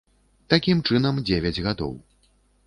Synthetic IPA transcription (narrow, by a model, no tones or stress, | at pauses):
t̪akʲimt͡ʂɨn̪ɐmd͡zʲevʲɛd͡zʲɣad̪ɔ̰w